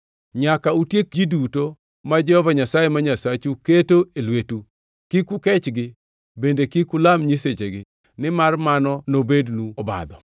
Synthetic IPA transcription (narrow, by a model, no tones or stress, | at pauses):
ɲakautjek̚d͡ʒiduto | mad͡ʒɛhɔvaɲasajemaɲasat͡ʃuketoelwetu | kikʊkɛt͡ʃɡɪ | bendekikʊlamɲiset͡ʃeɡɪ | nɪmarmanɔnobednuɔba̰d̪ɔ